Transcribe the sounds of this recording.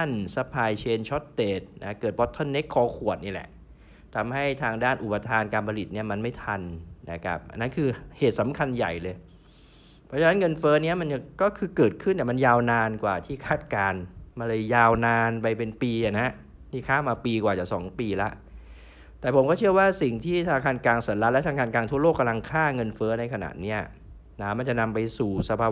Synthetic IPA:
a˥˩nsa˧˥pʰaː˧jt͡ɕʰeː˧nt͡ɕʰɔ˦˥t̪̚ːeː˨˩t̪̚na˦˥kɤː˨˩t̪̚bɔ˦˥t̪ʰːɔ˧˥nːe˦˥kʰːɔː˧kʰu˨˩ət̪̚niː˦˥˩lɛ̰˨˩ʔ | t̪ʰa˧mha˥˩jt̪ʰaː˧ŋdaː˥˩nʔu˨˩pa˧t̪ʰaː˧nkaː˧npʰa˧li˨˩t̪̚ni˥˩ɐma˧nma˥˩jt̪ʰa˧nːa̰˦˥˩kʰa̰˦˥p̚ʔa˧nːa˦˥nkʰɯː˧heː˨˩t̪̚sa˩˦mkʰa˧nja̰˨˩jlɤː˧j | pʰɾɔ˦˥t͡ɕʰa˧na˦˥nŋɤ˧nfɤː˦˥ni˦˥ɐma˧n˧kɔː˥˩kʰɯː˧kɤː˨˩t̪̚kʰɯ˥˩nːtaː˨˩ma˧njaː˧wnaː˧nkwaː˨˩t̪ʰiː˥˩kʰaː˥˩t̪̚kaː˧nma˧nlɤː˧jjaː˧wnaː˧npa˧jpe˧npiː˧a˨˩na˦˥ | miː˧˩kʰaː˥˩maː˧piː˧kwaː˨˩t͡ɕaː˨˩sɔ̰ː˩˦ŋpiː˧la˦˥ʔ | t̪ɛː˨˩pʰo˩˦mkɔː˥˩t͡ɕʰɯ˥˩ɐwaː˥˩si˨˩ŋt̪ʰiː˥˩t̪ʰaː˧kʰaː˧nklaː˧ŋsaː˩˦la˦˥lt̪ʰa˧kaː˧nkaː˧ŋt̪ʰu˥ɐloː˥˩kːa˧mla˧ŋkʰaː˥˩ŋɤ˧nfɤː˦˥na˧jkʰa˧na̰˨˩t̪̚ni˦˥ɐ | na˦˥ma˧nt͡ɕa˨˩ʔna˧mpa˧jsuː˨˩sa˧pʰaː˧

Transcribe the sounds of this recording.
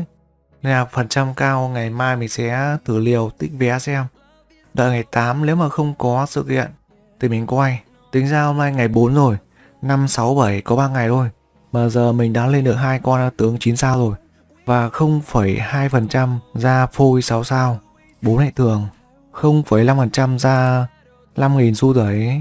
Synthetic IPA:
aː˨˩fə˨˩nt͡ɕa˧mkaː˧wŋa˨˩jmaː˧jmï˨˩ŋ̟sɛ̰˨˦t̪ʰɨ˧˩li˨˩əwt̪ï˦˥k̟̚ve˨˩ʔaː˧sɛ˧m | ɗə̰ː˧˨jŋa˨˩jt̪aː˨˦mne˨˦wmaː˨˩xə˧wŋ͡mkɔ˨˦sɨ̰˧˨kḭ˧˨ən | t̪i˨˩mï˨˩ŋ̟kwaː˧j | t̪ï˨˦ŋ̟zaː˧naː˧jŋa˨˩jɓo˨˦nzo˨˩j | na˧msa˨˦wɓə˧˩jkɔ˨˦ɓaː˧ŋa˨˩jt̪ʰo˧j | maː˨˩zəː˨˩mï˨˩ŋ̟ɗaː˨˦nle˧nɗɨ˨˩ək̚haː˧jkwaː˧n˨˦t̪ɨ˨˦əŋt͡ɕi˨˦nsaː˧wzo˨˩j | vaː˨˩xə˧wŋ͡mfə˧˩jhaː˧jfə˨˩nt͡ɕa˧mzaː˧fu˧jsa˨˦wsaː˧w | ɓo˨˦nha̰ː˧˨jt̪ʰɨ˨˩əŋ | xə˧wŋ͡mfə˧˩jla˧mfə˨˩nt͡ɕa˧mzaː˧ | la˧mŋi˨˩nsu˧t̪ə˨˧˩j

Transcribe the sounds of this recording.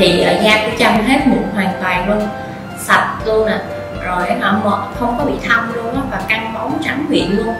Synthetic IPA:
i˨˩ʔəː˨˩zaː˧ku˨˧˦t͡ɕa˧˩mɦe˦˥t̚mṵ˧˥ɦwaː˨˩ŋt̪waː˨˩jlu˧ən | sa˨˩t̚kɨ˧ənaː˨˩ | zo˨˩ja˨˦əː˧˩mɔ̰˧˨˩xə˧wŋ͡mkɔ˨˦ɓḭ˧˨t̪ʰə˧wmlu˧ənʔaː˨˦vaː˨˩ka˧ŋmə˨˦wt͡ɕa˨˦ŋkwḭ˧˨ənlu˧ən

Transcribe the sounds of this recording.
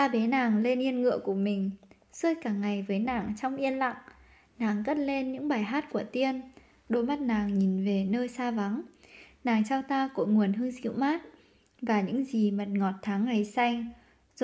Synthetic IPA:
t̪aː˧ɓe˨˦naː˨˩ŋle˧nʔi˧ənŋɨ̰˧əku˧˩əmï˨˩ŋ̟ | su˧əjkaː˧˩ŋːa˨˩jvəː˨˦jnaː˨˩ŋt͡ɕɔ˧wŋ͡mʔi˧ənla̰˧˨ŋ | naː˨˩ŋkə˦˥t̚le˧nɲɨ̰˧˥ŋɓaː˨˩jɦaː˦˥t̚ku˧˩ət̪i˧ən | ɗo˨˦jma˦˥t̚naː˨˩ŋɲi˨˩nve˨˩nəː˧jsaː˧va˨˦ŋnaː˨˩ŋt͡ɕa˧wt̪aː˧ko̰˧˥ŋu˨˩ənɦɨ˧ŋzḭ˧˥˨wmaː˦˥t̚ | vaː˨˩ɲɨ̰˧˥ŋzi˨˩mə˨˩t̚ŋɔ˨˩t̚t̪ʰaː˨˦ŋːa˨˩jsa˧jŋ̟

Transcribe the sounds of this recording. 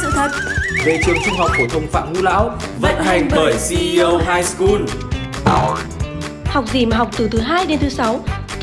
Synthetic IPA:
sɨ̰˧˨t̪ʰə˨˩t̚vo̰˧˨t͡ɕɨ̰˨əŋt͡ɕu˧ŋ͡mɦa˨˩wk͡p̚fo˧˩t̪ʰə˧wŋ͡mfa̰ː˧˨mhu˨˦la̰ː˧˥wvə̰˧˥nha˨˩jŋ̟ɓəː˧˩jsi˧ə˧wɦaː˧jsku˧n | ha˨˩wk͡p̚zi˧˩ma˨˩ɦa˨˩wk͡p̚t̪ɨ˨˩t̪ʰɨ˨˦ɦaː˧jɗe˨˦nt̪ʰɨ˨˦sa˨˦w

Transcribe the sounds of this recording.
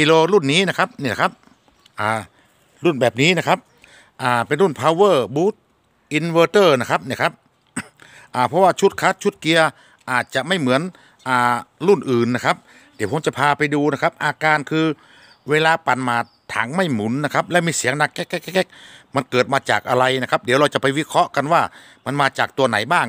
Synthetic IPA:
kiː˧loː˧lu˥˩˨nːiː˦˥˨na˧kʰa˦˥p̚niː˧˩˨a˧˩kʰa˦˥p̚ | ʔaː˧˩ | lu˥˩nbɛː˨˩p̚niː˦˥˨na˧kʰa˦˥p̚ | ʔaː˧˩pe˨nlu˥˩npʰaː˧wɤː˧˩buː˦˥t̪̚ | ʔi˧nwəː˧t̪ɤː˧˩na˧˥˩kʰa˦˥p̚niː˧˩kʰa˦˥p̚ | ʔaː˨˩pʰɔ˧˥waː˧˩t͡ɕʰu˦˥t̪̚kʰa˧˦˥t̪̚t͡ɕʰu˦˥t̪̚ki˧ɐ | ʔaː˨˩t̪̚t͡ɕa˨˩ma˧˥˩jmɯ˩˦ən | ʔaː˨˩lu˥˩nʔɯː˨˩nːa˧˥kʰa˦˥p̚ | di˨˦wʰpʰmt͡ɕa˨˧˩pʰaː˧pa˧jduː˧na˦˥˩kʰa˦˥p̚ʔaː˧kaː˧nkʰɯː˧ | weː˧laː˧pa˨˧˦nmaː˧ | t̪ʰa̰ː˨˦ŋma˥˩jmu˨˦nːa˧˥kʰa˦˥p̚lɛ˧˦˥wmiː˧si˨˦əŋna˧˩kːɛ˦˥kːɛ˥kːɛ˥kːɛ˧˥k̚ma˧nkɤː˨˩t̪̚maː˧t͡ɕaː˨˩k̚ʔa˧ɾa˧jna˧˥kʰa˦˥p̚di˨˦wɾa˧wt͡ɕa˨˩pa˧˦jwi˦˧˥kʰɾɔ˦˥ʔka˧nwaː˧˩ | ma˧nmaː˧t͡ɕaː˨˩k̚t̪u˧ɐna̰˨˩˦jbaː˧˥˩ŋ

